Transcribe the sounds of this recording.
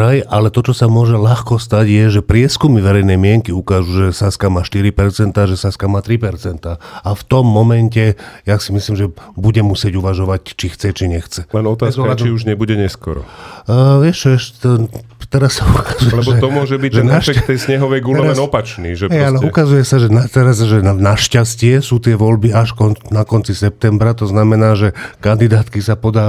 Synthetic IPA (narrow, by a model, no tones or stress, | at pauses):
ajʔalɛt̪ɔt͡ʃɔsamʊɔʒɛlaxkɔst̪aɟjɛʒɛpɾɪɛskumiʋɛɾɛjnɛjmɪɛŋkiukaːʒuʒɛsaskamaːʃt̪iɾipɛɾt͡sɛnt̪aːʒɛsaskamaːt̪ɾipɛɾt͡sɛnt̪aːaft̪ɔmːɔmɛncɛjasimisliːmʒɛbuɟɛmusɪɛɟuʋaʒɔʋac̚t͡ʃixt͡sɛt͡ʃiɲɛxt͡sɛlɛnɔt̪aːszɔadt͡ʃ̪iuʒɲɛbuɟɛɲɛskɔ̰ɾɔ̰ | ʋɪɛʃt͡ʃɔɛʃ | t̪ɛɾassaukazujɛlɛbɔɛt̪ɔmʊɔʒɛbiʒɛnaʃɛkt̪ːɛjsɲɛɦɔʋɛjɡulɛɔɛnɔpat͡ʃniːʒɛɛalɛukazujɛsaʒɛnat̪ɛɾazʒɛnaʃcascɪɛsuːt̪ɪɛʋɔlbiaʃkɔnnakɔnt͡sisɛp̚t̪ɛmbɾat̪ɔznamɛnaːʒɛkand̪id̪aːt̪kisapɔd̪aː